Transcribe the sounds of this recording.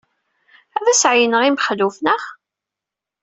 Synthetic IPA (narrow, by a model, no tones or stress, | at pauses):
æðæsʕjnəʁimχðufnəχ